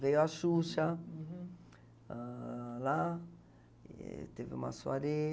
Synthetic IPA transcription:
vejuaʃuʃɐ | la | t̪evɪṵ̃mɐ̰swa̰ɾe

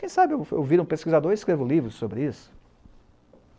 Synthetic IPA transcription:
kẽj̃sabɪewḛwviɾũpeskizad̪oɾiskɾevʊlivɾʊsobɾɪisʊ̥

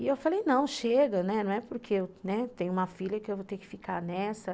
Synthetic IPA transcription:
iewfalejnɐ̃w̃ʃeɡɐñɛnɐ̃w̃ɛpoɾkʰeewnɛt̪ẽj̃ʊũmɐfiljɐkɪewvot̪eɾkɪ̥fika̰ɾnɛsɐ

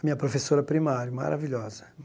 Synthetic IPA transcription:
ɐmiɲɐpɾofesoɾɐpɾimaɾjʊma̰ɾaviʎɔzɐ

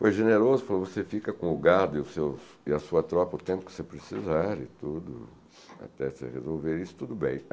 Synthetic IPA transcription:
fojʒeneɾozʊfalovosefikɐkõʊɡaɾd̪ʊɪʊsews | ɪɐsuɐt̪ɾɔpɐʊt̪ẽmpʊ̥kɪ̥sepɾesizaɾɪ̰t̪ud̪ʊ̰ | a̰t̪ɛsḛhezowveɾisʊ̥t̪ud̪ʊbḛ̃j̃

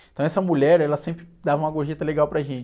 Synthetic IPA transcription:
ẽt̪ɐ̃w̃ɛsɐmuʎɛɾɛlɐsẽmpɾɪd̪avɐũmɐɡoɾʒet̪ɐleɡawpɾɐʒẽnt͡ʃ

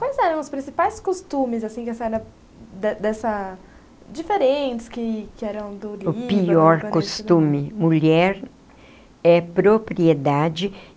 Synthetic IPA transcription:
kwajzɛɾɐ̃w̃ʊspɾĩsipajskost̪ũmɪzasĩkasɛɾɐ | d̪ɛd̪ɛsɐ | d͡ʒifeɾẽnt͡ʃɪ̥skɪkɪɛɾɐ̃w̃d̪ʊlʊippiɔɾkkost̪ũmɪmuʎɛɾ | ɛpɾopɾied̪ad͡ʒɪ

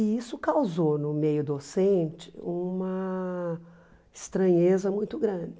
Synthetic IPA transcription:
ɪisʊkawzownʊmejʊd̪osẽnt͡ʃɪ̥ũmɐ | ɪst̪ɾɐ̃ɲezɐmũj̃t̪ʊɡɾɐ̃d͡ʒɪ

